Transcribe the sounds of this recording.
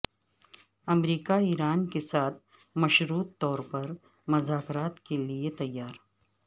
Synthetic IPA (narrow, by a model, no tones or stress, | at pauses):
ɐmɾiːkaiːɾaːnkesaːt̪̚ʰ | mɐʃɾuːt̪ːɔːɾpɐɾ | mʊzaːkɾaːt̪keliet̪ɐjːaːɾ